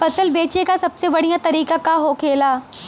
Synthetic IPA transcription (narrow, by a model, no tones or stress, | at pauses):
fɐsəlbeːt͡ʃekasɐbseʋɐɽ̤ijãt̪ɐɾiːkakaɦoːkʰeːlaː